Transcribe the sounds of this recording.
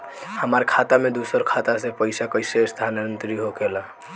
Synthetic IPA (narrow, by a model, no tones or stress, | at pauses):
həməɾkʰat̪amed̪usəɾkʰat̪asepəjsakəjsesd̪ʱanənt̪ɾiɦokela